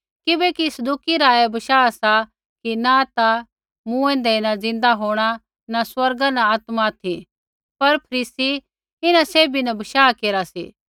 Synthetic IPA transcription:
kɪbɛkisɐd̪uːkiɾaːɛbɐʃaːsa | kinat̪a | mũːɛ̃nd̪ɛnad͡zɪ̃nd̪aɦoːɽ̃a | naswɐɾɡãnãaːt̪mat̪ʰi | pɐɾpʰɐɾiːsi | ɪnãseːbinɐbɐʃaːkeːɾasḭː

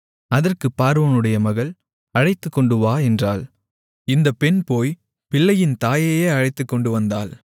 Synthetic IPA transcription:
ɐðɐrkɯpːaːɾʋoːnɯɽɐjɐmɐɣɐɭ | ɐɻɐɪt̪ːɯkːɔɳɖɯʋaːɛndraːl | ɪnd̪ɐpːɛnpoːj | pɪlːɐjɪnt̪aːjɐjeːɐɻɐɪt̪ːɯkːɔɳɖɯʋɐnd̪aːl

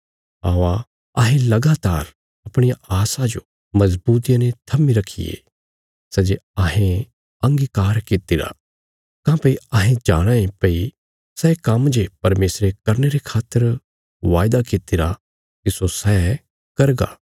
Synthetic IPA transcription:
aːʋa | ɐɦẽlɐɡaːt̪aːɾ | ɐpɽ̃ɪjaaːsad͡ʒo | mɐzbuːt̪̬ijãnet̪ʰɐmiɾɐkʰːḭjḛ | sɛd͡ʒeɐɦẽ | ɐ̃ŋɡikaːɾkit̪iɾa̰ | kãːpɐiɐɦẽd͡ʒaːɽ̃aẽpɐi | sɛːkɐmd͡ʒepɐɾmeːsɾekɐɾneɾekʰaːt̪ːəɾ | ʋaːjd̪akɪt̪ɪɾa | kisosɛː | kɐɾɡa̰ː

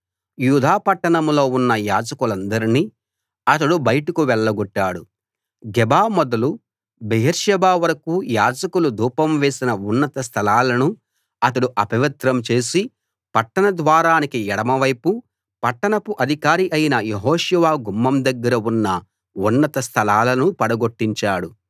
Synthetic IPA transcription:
juːd̪ʱaːpɐʈːɐɳɐmlo̞ːunːɐjaːd͡ʒɐkulɐnd̪ɐɾiniː | ɐt̪ɐɽubɐjɐʈukuʋɛɭːɐɡoʈːaːɽu | ɡɛbaːmɔd̪ɐlu | beɦɐɾʂɐbaːʋɐɾɐkuːjaːd͡ʒɐkulud̪uːpɐmʋeːsinɐunːɐt̪ɐst̪ʰɐlaːlɐnu | ɐt̪ɐɽuʔɐpɐʋɐt̪ɾɐmt͡ʃe̞ːsi | pɐʈːɐɳɐd̪ʋaːɾaːnikiɛɽɐmɐʋɐjpu | pɐʈːɐɳɐpuʔɐd̪ʱikaːɾiʔɐjinɐjeɦɔːʃuʋaːɡumːɐmd̪ɐɡːɐɾɐunːɐ | unːɐt̪ɐst̪ʰɐlaːlɐnupɐɽɐɡoʈːiɲt͡ʃaːɽu

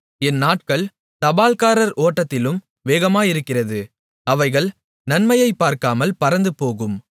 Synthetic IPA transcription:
ɛnːaːʈ̚kɐɭ | t̪ɐbaːlkaːɾɐɾoːʈːɐt̪ːɪlɯm | ʋeːɣɐmaːɪɾɯkːɪrɐðɯ | ɐʋɐɪɣɐɭ | nɐnmɐjɐɪpːaːɾkaːmɐlpɐɾɐnd̪ɯpoːɣɯm

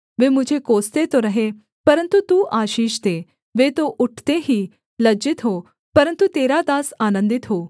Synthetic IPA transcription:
ʋeːmʊd͡ʒʱekoːst̪et̪oɾɐɦe | pɐɾə̃nt̪ut̪uːʔaːʃiːʃt̪e | ʋeːt̪oʔʊʈʰt̪eɦiː | lɐd͡ʒɪt̪ɦoː | pɐɾə̃nt̪ut̪eːɾat̪aːsaːnə̃nd̪ɪt̪ɦoː

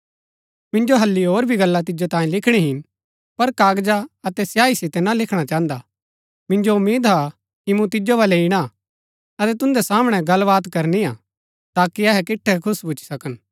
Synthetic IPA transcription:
mɪ̃nd͡ʒoɦɐlːiɦoːɾbʱiɡɐlːat̪̬ɪd͡ʒot̪ãːĩlɪkʰɽ̃iɦɪn | pɐɾkaːɡd͡ʒaɐt̪ɛsjaːisɪt̪ɛnalɪkʰɽ̃at͡ʃãːə̃nd̪a | mɪ̃nd͡ʒoʊmːeːd̪ɦa | kimũt̪̬ɪd͡ʒobɐlɛɪɽ̃a | ɐt̪ɛt̪ʊ̃nd̪ɛsaːməɽ̃ɛɡɐlʋaːt̪kɐɾnia | t̪aːkiɐɦɛkɪʈʰːɛkʰʊsbuʊt͡ʃʰi̥sɐkən

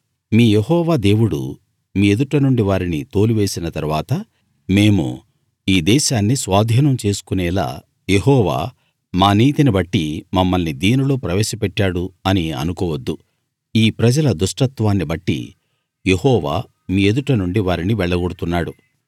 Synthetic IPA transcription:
miːjeɦɔːʋaːd̪e̞ːwuɽṵ | miːed̪uʈɐnuɳɖiʋaːɾinit̪o̞ːluʋe̞ːsinɐt̪ɐɾʋaːt̪ɐ | me̞ːmṵ | iːd̪ɛːʃaːnːisʋaːd̪ʱiːnɐmt͡ʃe̞ːsu̥kunɛːla̰ː | jeɦɔːʋa̰ː | maːniːt̪inibɐʈːimɐmːɐlnid̪iːnilo̞ːpɾɐʋɛːʃɐpɛʈːaːɽuɐniɐ̰nukɔːʋɐd̪ːu | iːpɾɐd͡ʒɐlɐd̪uʂʈɐt̪ʋaːnːibɐʈːḭ | je̞hɔːʋa̰ː | miːe̞d̪uʈɐnuɳɖiʋaːɾiniʋɛɭːɐɡoɽut̪unːaːɽu

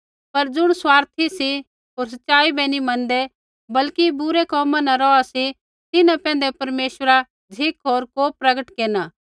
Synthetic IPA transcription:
pɐɾd͡ʒʊɽ̃swaːɾt̪ʰisi | ɦoːɾs̬ɐtːʃaːibɛnimɐ̃nd̪e | bɐlkibʊɾekɔːmãnɐɾɔasi | t̪ɪnãpɛ̃ːn̆d̪epɐɾmeːʃwəɾa | d͡ʒʱɪkɦoːɾkoːpɾɐɡəʈkeːnaː

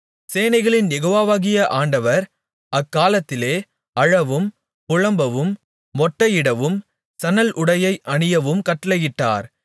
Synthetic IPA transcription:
seːnɐɪɣɐɭɪnjɛɣoːʋaːʋaːɣɪjɐʔaːɳɖɐʋɐɾ | ɐkːaːlɐt̪ːɪleː | ɐɻɐʋɯm | pʊɻɐmbɐʋɯmː | ɔʈːɐjɪɽɐʋɯm | sɐnɐlʔʊɽɐjɐɪʔɐɳɪjɐʋɯmkɐʈːɪlɐjɪʈːa̰ːɾ

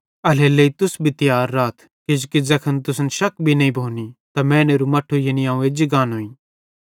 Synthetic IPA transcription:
ɐleleit̪ʊsbʱit̪ɪjaːɾːaːt̪ʰ | kɪd͡ʒkid͡zɐkʰənt̪̬ʊsnʃɐkbʱinɐĩbʱoːnit̪amɛ̃ːneːɾumɐʈʰːujɐniaːũed͡ʒɪɡaːnɦoːĩː

